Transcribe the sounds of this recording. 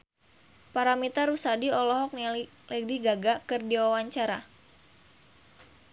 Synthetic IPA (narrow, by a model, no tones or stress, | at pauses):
paɾamit̪aɾusadiɔlɔɦɔk̚ni | lɛɡ̚diɡaɡakərdiwawaɲt͡ʃaɾa